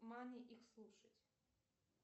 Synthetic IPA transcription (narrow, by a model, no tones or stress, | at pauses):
manʲɪʔixslˠuʂətʲ